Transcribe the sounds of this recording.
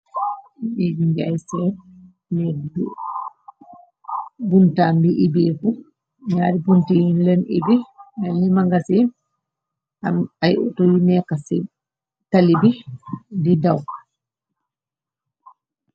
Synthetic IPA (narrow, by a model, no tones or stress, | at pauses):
ɗed͡ʒiŋɡɛajsɛ | nɛd | buntaːnbiʔibeːfu | ɲaːɾibuntiinlɛnḭbialimaŋɡasin | ajṵtojinɛkasɛ | talibididawk